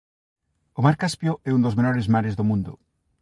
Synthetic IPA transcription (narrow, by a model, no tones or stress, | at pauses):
ʊmaɾkaspjʊɛund̪ozmenɔɾɪzmaɾezðomũnd̪ʊ